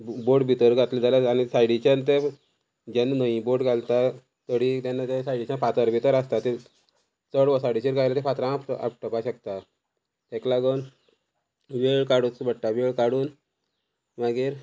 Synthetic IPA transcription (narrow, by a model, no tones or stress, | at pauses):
boɖbʱit̪əɾɡʱat̪lid͡zalaanisajɽit͡ɕant̪̬ɛ | d͡ʑɛnːnəĩboʈɡalt̪a | t̪əɽit̪janːat̪esajɽit͡ɕãfat̪əɾbit̪əɾast̪at̪i | t͡səɽʋəsaɽit͡ɕiɾɡajlat̪ɛfat̪ɾãapʈa̰p̚ʈəpaɕək̚t̪a | t̪ɛklaɡən | ʋeɭkaɽubəʈːaʋeɭkaɽuːn | ʋaɡiːɾ